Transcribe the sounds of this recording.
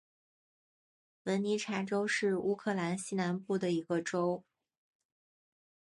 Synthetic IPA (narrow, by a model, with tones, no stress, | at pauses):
wə˧˥nni˧˥ʈ͡ʂʰa˧˥ʈ͡ʂo˥ʊʂɻ̩˥˩u˥kʰɤ˥˩la˧˥nɕi˥na˧˥npu˥˩d̪ə˩i˧˥ɡ̥ə˧ʈ͡ʂo˥ʊ